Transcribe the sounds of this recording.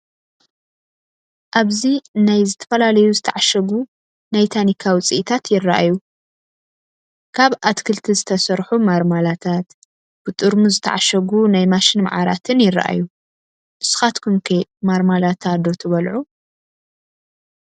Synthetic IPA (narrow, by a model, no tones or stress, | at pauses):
ʔaβzinajzɨt̪ʰɐ̥fɐlalɐjuzɨt̪ʰɐʕaʃɐɡu | najt̪ʰanikʰawɨt͡sʼiʔit̪ʰat̪jɪrːaʔa̰ju | kʰaβat̪kʰɨlt̪ʰizɨt̪ʰɐsɐɾħumaɾmalat̪ʰat̪ | b̥ɨt̪ʼɨɾmuzɨt̪ʰɐ̰ʕaʃɐɡunajmaʃɪnma̰ʕaɾa̰t̪ʰɨnjɪrɐ̰ʔa̰ju | m̥ɨsɨ̥xat̪kʰumkʰemaɾmalat̪ʰad̪o̞t̪ʰɨβɐlʕu